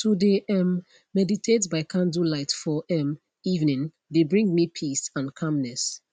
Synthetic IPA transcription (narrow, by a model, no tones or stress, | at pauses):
tʰudeʔɛmː | ɛditʰetbaɪkʰãndulaɪtfɔʔɛ̃m | ivnĩn | debɹĩŋɡmipʰisãnkʰãmnɛs